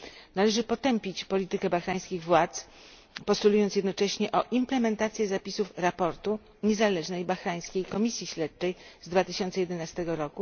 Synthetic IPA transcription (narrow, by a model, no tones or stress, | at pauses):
nalɛʐɘpɔt̪ɛmpʲit͡ɕpɔlʲit̪ɘkɛbaxɾaj̃skʲiɣvwat̪s | pɔst̪ulujɔnt̪jɛd̪nɔt͡ʂɛɕɲɛʔɔʔimplɛmɛnt̪at̪sʲjɛzapʲisufɾapɔɾt̪u | ɲɛzalɛʐnɛjbaxɾaj̃skʲejkɔmʲisʲjiɕlɛt̪̚t͡ʂɛjzd̪vat̪ɘɕɔnt̪sɛjɛd̪ɛnast̪ɛɡɔɾɔku